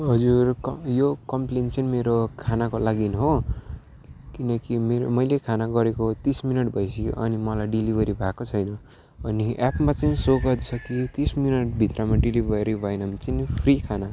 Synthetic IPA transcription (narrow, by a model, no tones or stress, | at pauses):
ɦʌd͡zurjokʌmplent͡sʌnmeɾokʰanakolaɡinɦo | kinʌkimeɾmʌjlekʰanaɡʌɾekot̪isminʌʈbʱʌjsʌ̰ʔʌnimʌlajɖilibʱʌɾibʱakot͡sʰʌjnʌ | ʌniʔapmat͡saĩsoɡʌt̪t͡sʰʌkit̪isminʌʈ̚bʱit̪ramaɖilibʱʌɾibʱʌenʌmt͡sanipʰrikʰana